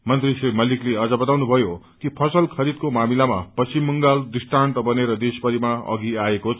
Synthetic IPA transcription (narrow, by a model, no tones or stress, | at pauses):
mʌnt̪risrimʌlikleʌd͡zʌbʌt̪awnubʱʌjokipʰʌsʌlkʰʌɾid̪̚komamilama̰pʌsimːʌŋɡald̪isʈaɳʈʌbʌneɾʌd̪espʌɾimaʌ̰ɡiaekot͡sʰ